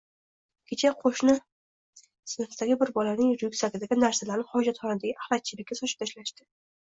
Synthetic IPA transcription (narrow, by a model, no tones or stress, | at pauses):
kʲʰet͡ʃʰaqʰoʃnɪ | sɪnɨfd̪aɡʲɪbɪɾbɒlanɪŋjɾjʊkʲsaɡʲɪd̪aɡʲɪnaɾsalaɾnɪχɒd͡ʒat̪χɒnɪd̪aɡʲɪʔahlat̪̚t͡ʃʰɪlɪkʲːasɒʃɪ̥p̚t̪ʰaʃlaʃt̪ɪ